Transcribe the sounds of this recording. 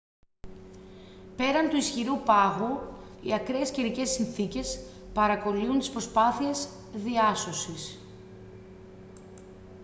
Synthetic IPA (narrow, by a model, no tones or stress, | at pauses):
pe̞ɾɐnt̪uisçiɾupɐɣuḭɐkɾeːsceɾice̞sinθice̞s | pɐɾɐko̞liunt̪ispɾo̞spɐθie̞z | ðiɐso̞sis